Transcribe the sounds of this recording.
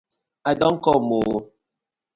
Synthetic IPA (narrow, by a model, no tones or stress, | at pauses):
adoŋ̩kɔmo